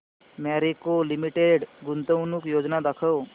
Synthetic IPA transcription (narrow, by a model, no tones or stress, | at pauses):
maɾikolimiʈeɖɡunt̪əwnukjod͡ʒnad̪akʰəw